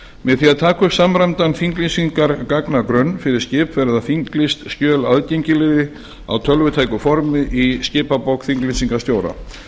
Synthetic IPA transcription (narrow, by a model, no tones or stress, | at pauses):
mɛðθiaðt̪ʰaːkʏsamɾamt̪anfiŋklinsiŋkaɾkaknakɾœnːfɪɾɪɾ̥scɪːpfɛɾðafiŋklɪst̪scœːlaðcejɲcɪlɪðɪ | a̰wt̪ʰœlvʏt̪ʰaːjkʏfɔɾmɪʔiscɪːpapowkθiŋklinsiŋkast̪joːwɾa̰